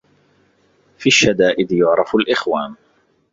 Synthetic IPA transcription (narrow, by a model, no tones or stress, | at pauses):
fiʃːad̪aːʔɪd̪jʊʕɾˤɑfalʔɪxwaːn